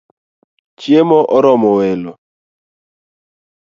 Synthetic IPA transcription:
t͡ʃjemɔʔɔɾɔmɔwɛlɔ

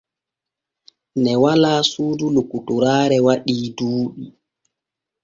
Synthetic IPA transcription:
nɛwalaːsuːdulukːutuɾaːɾɛwaɗiːduːɗi

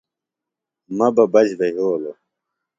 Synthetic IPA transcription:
mɐbɐbɐd͡ʑbɐɦoːlo

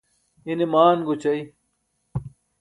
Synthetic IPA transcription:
inimaːnɡut͡ɕɐi

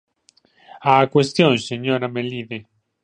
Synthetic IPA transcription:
akwest̪jonseɲoɾamelːiːðe

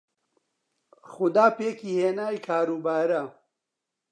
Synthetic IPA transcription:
xʊd̪aːpeːkiheːnaːikʰaːɾuːbaːɾa

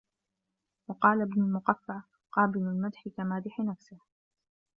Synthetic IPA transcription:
wɑqɑːlabnʊlmʊqafːaʕ | qɑːbɪlʊlmad̪ħɪkamaːd̪ɪħɪnafsɪh

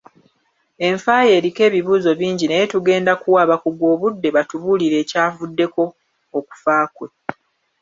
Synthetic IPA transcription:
e̞ɱfaje̞ːɾike̞ːβiβuːzo̞βiːɲɟinejetuɡe̞ːndakuwaβakuɡwo̞ːβudːe̞βatuβuliɾe̞ːcaːvudːe̞ko̞ː | ku̥faːkwe̞

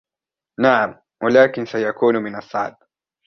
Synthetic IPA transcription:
naʕam | wʔalaːkɪnsajakuːnmɪnɑsˤːɑ̰ʕd̪̚

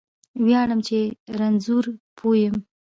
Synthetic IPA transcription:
wjɑɳəmt͡ʃeɾanzuɾpʰojəm

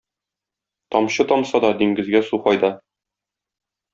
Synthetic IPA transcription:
t̪ɒmɕɤt̪ɒmsɑd̪ɒd̪iŋɡɘ̆zɡæsuqɒjd̪ɑ

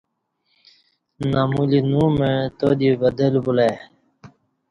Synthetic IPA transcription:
namulinũmet̪od̪ibɐd̪elbula

